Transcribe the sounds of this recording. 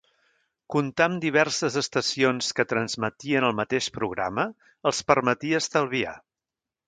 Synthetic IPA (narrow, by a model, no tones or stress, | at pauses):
kunt̪amd̪iβ̞ɛrsəzəst̪əsionskət̪ɾənzmət̪iənəlˠmət̪eʃpɾuɣ̞ɾa̰mə | əlˠspəɾmət̪iəst̪əlˠβia̰